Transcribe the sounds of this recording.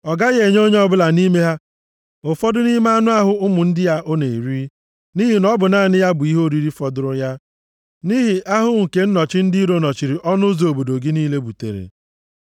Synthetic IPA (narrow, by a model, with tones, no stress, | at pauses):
ɔ˨ɡa˦ɣe˨ɲo˦ɲe˦ɔ˦bʊ˦la˨ni˦me˦ɦa˦ | o˨fɔ˦dʊ˦ni˦m˦a˦nʊ˦a˦ɦʊ˦ʊ˦mʊ˨n̩˦dɪ˦ja˦ʔo˦ne˨i˨ɾi˦ | ni˦ɦi˨nɔ˦bʊ˨na˦˨nɪ˦ja˦bʊ˨i˦ɦo˦˨ɾi˦ɾi˦fɔ˨dʊ˦ɾʊ˦ja˦ | ni˦ɦɪ˨ʔa˦ɦʊ˦ŋ̩˨ke˨n̩˦nɔ˨t͡ʃɪ˦n̩˦dɪ˦ɾo˦nɔ˨t͡ʃi˨ɾi˨ʔɔ˦nʊ˦zo˨o˨bo˨do˨ɡi˦niː˦le˦bu˨tḛ˨ɾḛ˨